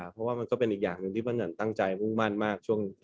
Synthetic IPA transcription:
pʰɾɔ˦˥waː˥˩ma˧nkɔː˥˩pe˧nʔiː˨˩k̚jaː˨˩ŋnɯ˨˧ŋt̪ʰiː˥˩ma˧na˨˩˦nt̪a˥˩ŋt͡ɕa˧jmu˥˩ŋma˥˩nmaː˥˩k̚t͡ɕʰu˥˩əŋ

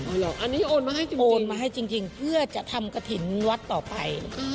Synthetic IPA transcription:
ʔa˧˩lɔː˨˩ʔa˧nːiː˦˥ʔoː˧nmaː˧ha˥˩jt͡ɕi˧ʔoː˧nmaː˧ɦa˥˩jt͡ɕi˧ŋt͡ɕi˧ŋpʰɯ˥˩ɐt͡ɕa˨˩ʔt̪ʰa˧mka˧t̪ʰi˩˦nwa˦˥t̪ːɔː˨˩pa˧jʔ

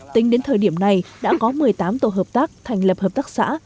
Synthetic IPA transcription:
t̪ï˨˦ŋ̟ɗe˨˦nt̪ʰəː˨˩jɗi˧˩əmna˨˩jɗa̰ː˧˥kɔ˨˦mɨ˨˩əjt̪aː˨˦mt̪o˧˩ɦəː˨˩p̚t̪aː˦˥k̚t̪ʰa˨˩jŋ̟lə˨˩p̚həː˨˩p̚t̪aː˦˥k̚sa̰ː˧˥

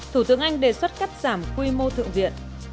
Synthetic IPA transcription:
t̪ʰu˧˩t̪ɨ̰˧˥əŋʔa˧jŋ̟ɗe˨˩swə˦˥t̚ka˦˥p̚z̥aː˧˩mkwi˧mo˧t̪ʰɨ̰˧˨əŋvḭ˧˨ən

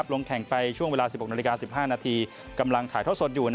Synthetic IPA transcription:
p̚lo˧ŋkʰɛ˨˩˦ŋpa˧jt͡ɕʰu˥˩əŋweː˧laː˧si˨˩p̚ho˨˩naː˧li˧kaː˧si˨˩p̚ɦaː˥˩naː˧t̪ʰiː˧ | ka˧mla˧ŋt̪ʰaː˨˩˦j̪ʰo˦˥t̪̚so˨˩t̪̚juː˨˩n

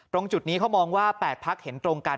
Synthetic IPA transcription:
t̪ɾo˧ŋt͡ɕu˨˩t̪̚niː˦˥kʰa˦˥wmɔː˧ŋwaː˥˩pɛː˨˩t̪̚pʰa˦˥k̚he˩˦nt̪ɾoː˧ŋkaː˧

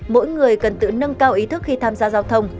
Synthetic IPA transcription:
mo̰˧˥jŋɨ˨˩əjkə˨˩nt̪ɨ̰˧˨nə˧nkaː˧wʔi˨˦t̪ʰɨ˦˥k̚xi˧t̪ʰaː˧mzaː˧zaː˧wt̪ʰə˧wŋ͡m

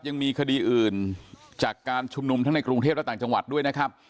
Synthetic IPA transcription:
p̚ja˧ŋmiː˧kʰa˧diː˧ʔɯː˨˩nt͡ɕaː˨˩kːaː˧nt͡ɕʰu˧mnu˧mt̪ʰa˦˥ŋna˧jkɾu˧ŋt̪ʰe˥˩plt̪aː˨˩t͡ɕa˧ŋwa̰˨˩t̪̚du˥˩əjna˦˥kʰa˦˥p̚

